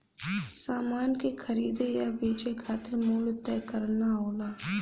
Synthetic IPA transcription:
saːmaːnkexʰəɾiːd̪ejabiːt͡ʃekʰaːt̪ɪɾmuːlt̪ɛːkəɾnaɦoːlaː

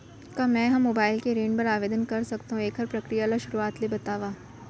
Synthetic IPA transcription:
kamɛ̃ːɦɐmːoːbaːɪlkeɾeːɳɖpɐɾaːʋeːd̪ənkɐɾsɐkt̪aɦũeːkɦɐɾpɾɐkɾijaːlaʃʊɾuaːt̪lebɐt̪aːʋaː

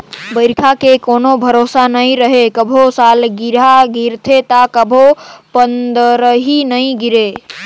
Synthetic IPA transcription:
bəɪɾkʰakekonobʱəɾosanəjɾəɦekəbʱosalɡiɾaɡiɾt̪ʰet̪akəbʱopənd̪əɾəɦinəjɡiɾe

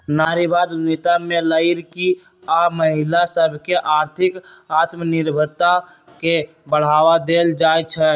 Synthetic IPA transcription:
naɾibad̪nit̪ameləɪɾki | aməɦilasəbʱkeʔaɾt̪ʰikat̪məniɾbʱəɾt̪a | ke | bəɽ̤aʋad̪eld͡ʒajt͡ʃʰə

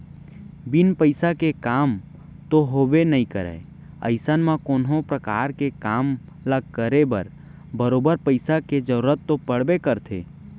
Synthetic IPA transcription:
bɪnpəɪsakekaːm | t̪oɦoːbenəĩkəɾɛ̰ | ə̰ɪsənmãkoːnɦõpɾəkaːɾkekaːm | ləɡ̚kəɾebəɾ | bəɾoːbəɾpəɪsaked͡ʒəɾuɾət̪ːopəɽ̤bekəɾt̪ʰḛː

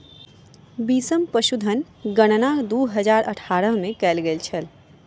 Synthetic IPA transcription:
biːsəmpəʃud̪ʱən | ɡɐɽ̃naːkd̪oːɦəzaːɾʔɐʈʰaːɾəɦmẽkɛːlɡelt͡ʃʰɐl

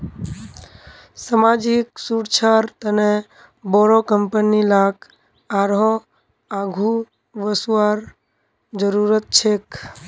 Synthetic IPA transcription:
səmad͡ʒiksuɾt͡ʃʰaɾt̪əne | bɔɾokəmpənilak | aɾɦɔ | aɡʱu | ʋəsuaɾ | d͡ʒəɾuɾət̪̚t͡ʃʰek

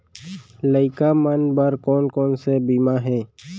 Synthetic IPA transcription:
ləɪkamənbəɾkɔːnkɔːnsebiːmaɦɛː

